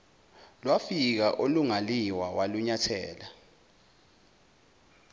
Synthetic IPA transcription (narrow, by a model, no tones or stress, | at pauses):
lwafik̬aʔoluŋaliwawaluɲatʰɛːla